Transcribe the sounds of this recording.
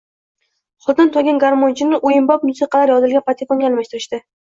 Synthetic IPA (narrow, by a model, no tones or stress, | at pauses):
χʊd̪ɪnt̪ʰɒɡʲɪnɡaɾmont͡ʃʰɪnɪʔojɪmbɒp̚mʊsɨqʰɑlaɾjɒzɪlˠɡʲanpʰat̪ʰikoŋɡʲaːlmaʃt̪ɪɾɪʃt̪ɪ